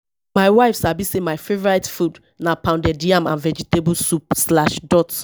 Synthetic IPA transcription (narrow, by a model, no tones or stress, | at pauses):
maɪwaɪfsabisemaɪfevɔɹaɪtfud | napãndɛdiãmã̰nvɛd͡ʒitebulsup̚slaʃdɔt